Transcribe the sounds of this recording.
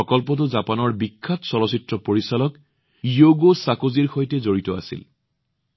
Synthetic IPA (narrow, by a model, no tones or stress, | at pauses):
ɔkɔlpɔt̬ʊzapanɔɹbikʰːatsɔlɔsitɹɔpoɹisalɔk | ijoɡosakoziɹxojtɛzoɹitɔa̰sḭl